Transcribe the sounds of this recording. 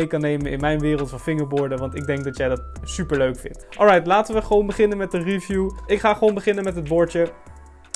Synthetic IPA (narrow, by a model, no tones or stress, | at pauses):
jkɑnejməɪ̰nmɛjnʋɪːrəlˠtɑnfɪŋəɹbʊːɹdəʋɑntɪɡ̚dɛŋk̚dɑtjɛjdɑtsypəɹløɥkfɪ̰ntʔɔlˠɹɛjtlaːtəʋəχəʋownbəχɪnənmɛtərivjuɪkχaːχəʋownbəχɪnənmɛtɦəd̚bɔɹə